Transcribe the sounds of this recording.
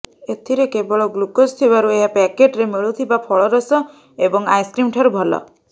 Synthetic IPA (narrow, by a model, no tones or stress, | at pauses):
et̪ʰiɾekebɔɭɔɡlukost̪ʰibaɾueɦapɛkeʈɾemiɭut̪ʰibapʰɔɭɔɾɔsɔ | ebɔŋajskɾimʈʰaɾubʱɔlɔ̰